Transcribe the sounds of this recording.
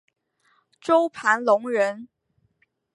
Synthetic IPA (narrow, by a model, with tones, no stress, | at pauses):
ʈ͡ʂo˥ʊpʰa˧˥nlʊ˧˥ŋɻə˧˥n